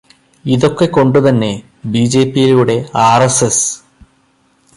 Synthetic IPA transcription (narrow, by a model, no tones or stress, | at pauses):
iðo̞kːe̞ko̞ɳɖut̪ɐnːe̞ | biːd͡ʑe̞ːpːijiluɽe̞aːreses